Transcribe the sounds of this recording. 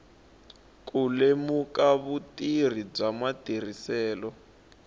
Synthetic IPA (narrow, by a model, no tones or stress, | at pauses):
kʼulemukaβutir̤ib͡ʐamatir̤isɛːlɔ